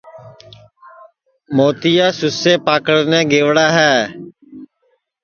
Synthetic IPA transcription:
moːt̪ijaːsʊseːpaːkəɽnɛ̃ːɡeːʋɽaːɦɛː

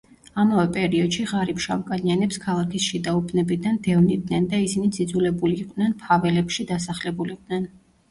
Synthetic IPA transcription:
amavɛpʼɛɾiɔd̪ʃiʁaɾipʃamkʼanianɛpskʰalˠakʰisʃid̪aupʰnɛbid̪and̪ɛvnid̪nɛnd̪aisinid̪zid̪zulɛbuliːqʼd̪nɛnpʰavɛlɛpʃid̪asaχlɛbuliqʼd̪nɛn

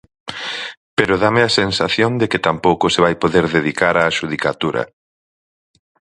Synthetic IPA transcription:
peɾoðameasensaθjond̪ekɪt̪ampowkʊseβajpoðeɾðeðikaɾaːʃuð̞ikat̪uɾɐ̰

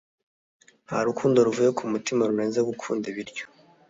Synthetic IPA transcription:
ha̰ɾukʰuːndoɾuvujekʰumutimaɾuneːnzeɡukʰuːndiβiɾɟo̥

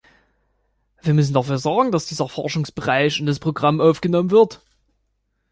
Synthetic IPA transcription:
v̥iːɐmʏs̬n̩dafyːɐzɔɐɡŋ̩d̥asd̥iːzɐfɔɐʃʊŋsb̥əʁaɪçɪndaspʁ̥oɡʁamʔaʊfɡ̥ənɔmənvɪɐt

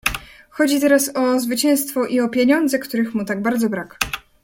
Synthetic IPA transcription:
xɔd͡ʑit̪ɛɾasɔzvɘt͡ɕɛw̃st̪fɔʔiɔpʲjeɲɔnd̪zɛkt̪uɾɘxmut̪aɡbaɾd̪zɔbɾak

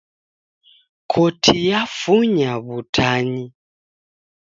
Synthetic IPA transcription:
kʰɔtʰijafuɲaβutʰaɲi

